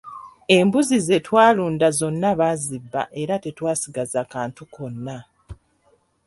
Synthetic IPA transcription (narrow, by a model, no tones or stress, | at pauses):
e̞mbuzize̞twaːluːndazo̞nːaβazibːa̰ʔe̞ɾate̞twaːsiɡazakaːntuko̞nːa